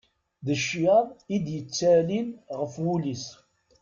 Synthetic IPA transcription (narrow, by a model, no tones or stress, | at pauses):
ðəʃːjɑðˤid̪jət͡sːælinʁəfwulis